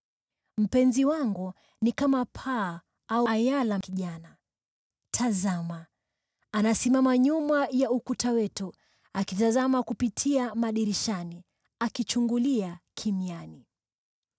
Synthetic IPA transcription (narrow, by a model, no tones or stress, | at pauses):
m̩pɛnziwaŋɡu | nikamapʰa | ajalakiʄana | tʰazamaː | nasimamaɲumajaukutawɛtu | akitazamakupitʰiamaɗiɾiʃani | akit͡ʃuŋɡuliakʰimiani